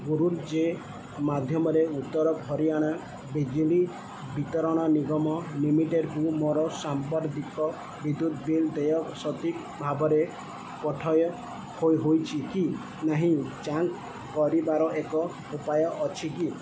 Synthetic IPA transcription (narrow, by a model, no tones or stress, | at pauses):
ɡuɾuɾd͡ʒe | mad̪ʱjɔmɔɾeut̪ːɔɾɔbʱɔɾiaɽ̃a | bed͡ʒili | bit̪ɔɾɔɽ̃ɔniɡɔmɔlimiʈeɖkumɔɾɔsambɔɾt̪ikɔ | bid̪ud̪ʱbild̪ejɔksɔt̪ik | bʱabɔɾe | pɔʈʰɔjɔ | hojɦojt͡ʃʰiki | naɦĩt͡ʃaŋk | kɔɾibaɾɔʔekɔ | upajɔʔːt͡ʃʰiki